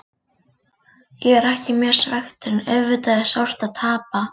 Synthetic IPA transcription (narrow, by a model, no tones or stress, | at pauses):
jɛɣɛɾɛhcɪmjɛɾ̥svɛxt̪ʏɾnɛðvɪt̪aðɪsawr̥t̪aðt̪ʰaːpa